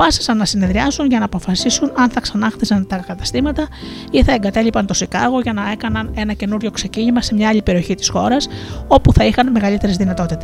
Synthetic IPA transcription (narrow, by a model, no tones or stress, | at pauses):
pɐsi̥sɐnːɐsine̞ðɾiɐsunʝɐnɐːpo̞fɐsisunɐnθɐksɐnɐxθisɐnt̪ɐkɐt̪ɐ̥st̪imɐt̪ɐ | iθɐe̞ŋɡɐt̪e̞lipɐnt̪o̞sikɐɣo̞ʝɐnɐe̞kɐnɐne̞nɐce̞nuɾʝo̞kse̞ciɲimɐse̞mɲɐɐʎipe̞ɾio̞çit̪i̥sxo̞ɾɐso̞puθɐixɐnme̞ɣɐlit̪e̞ɾezðinɐt̪o̞t̪it̪es